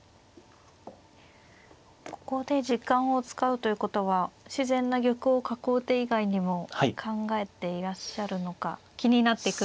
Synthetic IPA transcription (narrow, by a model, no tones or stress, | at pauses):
ko̞̥ko̞d̪e̞ʑikːãɰ̃o̞t͡sɨ̥kaɯ̟t̪o̞jiɯ̟ːko̞t̪o̞β̞aɕizẽ̞nːaɡʲo̞kɯ̟okakoːt̪e̞iɡaiɲ̟imo̞hkʰãŋɡae̞t̪e̞iɾaɕːaɾɯ̟no̞kakʲiɲ̟inat̪ːe̞kɯ